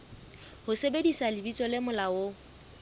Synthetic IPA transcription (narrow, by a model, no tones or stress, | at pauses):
hʊsebedisalɪbit͡sʼɔlɪmʊlawʊ